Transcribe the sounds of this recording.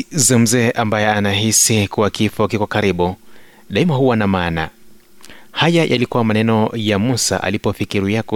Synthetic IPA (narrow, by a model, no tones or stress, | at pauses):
zam̩zɛːʔambajɛanaɦisikuwakifɔkikɔkaɾiɓu | ɗaimahuwanamaːna̰ | hajajʔa̰likuwamanɛnɔjamusa̰ʔa̰lipɔfikiɾijakɔ